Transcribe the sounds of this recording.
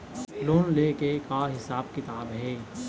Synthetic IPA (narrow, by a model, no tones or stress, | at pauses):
loːnleːkekaɦɪsaːbkɪt̪aːbɦɛː